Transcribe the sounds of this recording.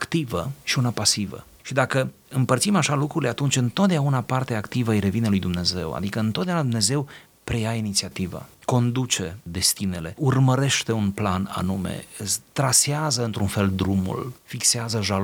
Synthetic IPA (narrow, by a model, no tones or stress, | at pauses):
akt̪ivəʃiunapasivə̰ | ʃid̪akə | ɨmpərt̪simaʃalukɾuile̞at̪unt͡ʃʲɨnt̪ot̪̚d̪eaunapart̪eaːkt̪ivəəjɾe̞vinelujd̪umne̞ze̞̰wa̰d̪ikəɨnt̪ot̪d̪eaunad̪une̞ze̞w | pɾe̞jainit̪siat̪iva̰ko̞nd̪ut͡ʃe̞d̪e̞st̪ine̞le̞urməɾe̞ʃt̪e̞unplana̰numḛt̪ɾaseazəɨnt̪ɾunfe̞ld̪ɾumṵlfikseazəʒa